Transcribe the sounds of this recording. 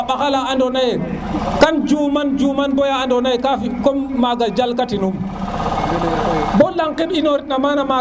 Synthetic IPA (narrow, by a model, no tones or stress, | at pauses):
ɓakalaandɔnajɛ | kand͡ʒumand͡ʒumanbɔjaːndɔnajkafikɔmːaɡad͡ʒalkatinum | bɔlːaŋkɛɓinɔɾinamanama